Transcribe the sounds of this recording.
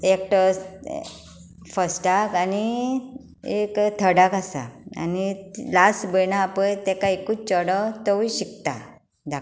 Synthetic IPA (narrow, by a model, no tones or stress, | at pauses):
ek̚ʈəs | fəsʈakani | ekt̪ʰəɽakasa̰a̰nilasbənãːpəjt̪ɛ̃kaikut͡ɕɔɽɔt̪ɔʋiɕik̚t̪a | d̪ʱa